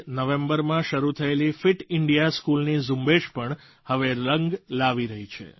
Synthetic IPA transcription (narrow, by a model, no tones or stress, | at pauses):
nəʋẽmbəɾmãʃəɾut̪ʰəelifɪʈɪɳɖijaskulnizũmbeʃpəɳ | həʋeləŋɡlaʋiɾəɦit͡ʃʰḛ